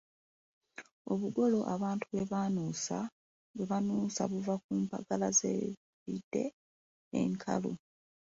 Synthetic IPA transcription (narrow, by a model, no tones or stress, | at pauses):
o̞βuɡo̞lo̞ʔaβaːntʰuβe̞βaːnuːsa | we̞βanuːsa̰βuvak̚uːmpa̰ɡalazḛ | βidːe̞̰ː | ŋkʰa̰lo̰